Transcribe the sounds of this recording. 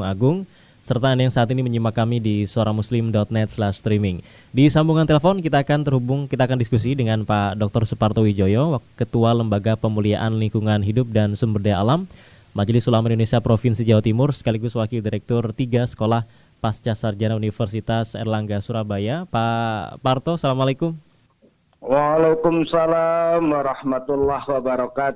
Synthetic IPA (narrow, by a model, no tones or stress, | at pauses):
ŋaɡʊŋ | sərt̪andajaŋsaːt̪iniməɲimakamidisəoɾaŋmuslɪmdɔt̪̚nɛt̪̚slɛʃst̪ɾimɪŋ | disambuŋant̪eləfɔnkit̪aːkant̪ərhubʊŋkit̪aːkandiskusidəŋanpadɔk̚t̪ɔrsupart̪owid͡ʒojɔwakət̪ualəmbaɡapəmulia̰ʔanliŋkuŋanɦidʊp̚dansumbərdajaʔalamː | ad͡ʒlɪsulamaindonesiapɾofinsid͡ʒawat̪imʊrsə̥kaliɡʊswakildiɾɛk̚t̪ɔrt̪iɡasə̥kolah | past͡ʃasard͡ʒanaunifərsit̪asɛ̰rlaŋɡasuɾabajapapart̪osalamalekʊm | waːlekʊmsalamwaɾahmat̪ulːahwabaɾakat̪